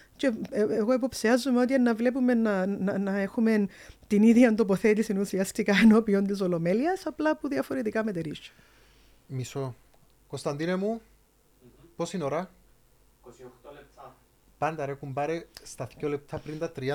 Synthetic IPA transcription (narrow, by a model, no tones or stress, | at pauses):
ce̞eɣoep̬o̞psiɐzːumeo̞t̪̬iɐnːɐvle̞p̬ume̞nːɐnɐnɐe̞xume̞nt̪iniðʝɐnd̪o̞po̞θe̞t̪isinusiɐst̪ikɐeno̞pio̞nt̪is̬o̞lome̞liɐsɐplɐpuðiɐfo̞ɾet̪ikɐmet̪eɾiʃu̥ | miso | kost̪ɐnd̪inemu | posinoɾɐ | pɐnd̪ɐɾekumbɐɾest̪ɐθcolep̚t̪ʰɐpɾint̪ɐt̪ɾiɐ